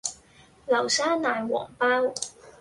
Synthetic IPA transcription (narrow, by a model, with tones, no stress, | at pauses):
lɐ˨˩wsaː˥naː˨˧jwɔ̰ː˨˩ŋpaː˥w